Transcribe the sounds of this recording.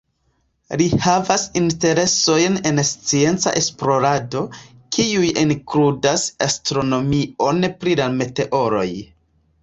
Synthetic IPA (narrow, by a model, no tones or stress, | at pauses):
lihavasinte̞ɾe̞so̞jne̞nst͡sie̞nt͡sa̰ʔe̞splo̞ɾado̞ | kʰiujiŋkludasastɾo̞no̞mio̞npɾilame̞te̞ʔo̞ɾo̞̰j